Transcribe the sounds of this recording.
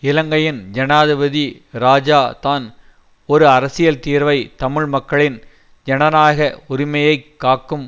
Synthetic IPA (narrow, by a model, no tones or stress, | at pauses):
ɪlɐŋɡɐjɪnd͡ʒɐnaːðɪʋɐði | ɾaːd͡ʒaːt̪aːn | ɔɾɯɐɾɐsɪjɐlt̪iːɾʋɐɪt̪ɐmɪɻmɐkːɐɭɪn | d͡ʒɛnɐnaːɣɐʊɾɪmɐjɐɪkːaːkːɯm